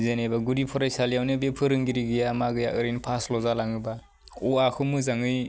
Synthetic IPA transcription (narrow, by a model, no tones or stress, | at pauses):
zenebaɡuɾipʰɔɾajsalijawnebepʰɯɾɯŋɡiɾiɡɯjamaɡɯja̰ʔɯɾɯjnpʰaslɔzalaŋɯba | ɔakʰɯmɯzaŋɯj